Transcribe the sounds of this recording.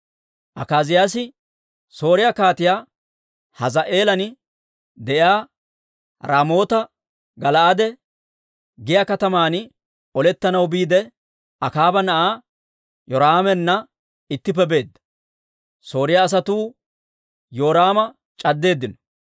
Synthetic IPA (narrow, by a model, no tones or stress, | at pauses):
ʔɐkaːzɪjaːsɪ | so̞ːɾɪjakaːt̪ɪjaː | hɐzɐʔe̞ːlɐn | d̪ɛʔjaː | ɾaːmo̞ːt̪ɐ | ɡɐlɐad̪ɛ | ɡɪjaːkɐt̪ɐmaːn | ɔlɛt̪ːɐnɐwbiːd̪ɛ | ɐkaːbɐnɐʔaː | jɔɾaaːmɛnːɐ | ɪt̪ːɪp̬ːɛbe̞ːd̪ːɐ̥ | so̞ːɾɪjaːs̬ɐt̪uː | jo̞ːɾaːmɐ | t͡ʃʼɐd̪ːe̞ːd̪ːɪnɔ̥